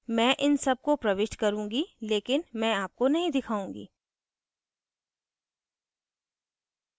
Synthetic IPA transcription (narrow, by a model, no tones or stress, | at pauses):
mɛ̃ːʔɪnsɐb̚kopɾɐʋɪʃʈkɐɾũːŋɡileːkɪnmɛ̃aːp̚konɐɦĩd̪ɪkʰaːũːŋɡḭː